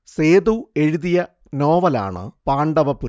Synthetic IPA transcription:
seːðue̞ɻuðijɐ | no̞ːʋɐla̰ːɳɨ̰paːɳɖɐʋɐpːu

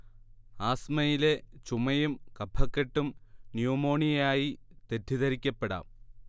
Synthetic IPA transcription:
aːsmɐjilet͡ɕumɐjumkɐbʱʰːɐkːɐʈːumnjuːmo̞ːɳijaːjit̪e̞t̪ːiðɐɾikʲːɐpːeɽɐ̰ː

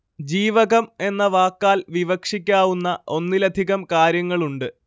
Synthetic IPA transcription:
d͡ʑiːʋɐɣɐme̞nːɐʋaːkːaːlʋiʋɐkʂikʲːaːʋunːɐʔo̞nːilɐd̪ʱiɣɐmkaːɾjɐŋːɐɭuɳɖɨ

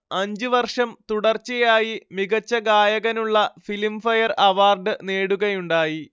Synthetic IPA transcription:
ɐɲd͡ʑɨʋɐrʂɐmt̪uɽɐrt͡ɕɐjaːjimiɣɐt͡ɕːɐɡaːjɐɣɐnuɭːɐfilimfɐjɐrɐʋaːrɖɨneːɽuɣɐjuɳɖaːji

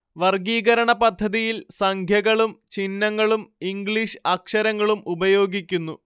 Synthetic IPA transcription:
ʋɐrɡiːɣɐɾɐɳɐpɐd̪ʱːɐðijilsɐŋkʰjɐɣɐɭumt͡ɕinːɐŋːɐɭumiŋɡɭiʂɨɐkʂɐɾɐŋːɐɭumubɐjo̞ːɡikʲːunːu

